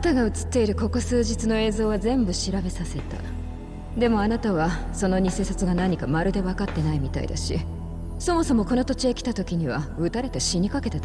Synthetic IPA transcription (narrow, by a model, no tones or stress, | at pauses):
t̪aɡaɯ̟t͡sɨ̥t̪ːe̞iɾɯ̟ko̞ko̞sɨːʑit͡sɨno̞e̞ːzo̞ːβ̞azẽ̞mbɯ̟ɕiɾabe̞sase̞t̪a̰ | d̪e̞mo̞anat̪aβaso̞no̞ɲ̟ise̞ːsat͡sɨɡanaɲ̟ikamaɾɯ̟d̪e̞βakat̪ːe̞naimʲit̪a̰ḭd̪a̰ɕḭ | so̞mo̞so̞mo̞ko̞no̞t̪o̞t͡ɕiekʲi̥t̪at̪o̞kʲiɲ̟iβ̞aɯ̟t̪aɾe̞t̪eɕiɲ̟ikake̞t̪et̪